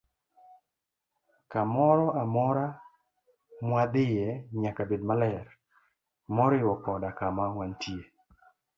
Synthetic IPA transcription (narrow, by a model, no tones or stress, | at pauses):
kamɔɾɔʔamɔɾa | mwad̪ɪjɛɲakabedmalɛr | mɔɾɪwɔkɔdakamawantie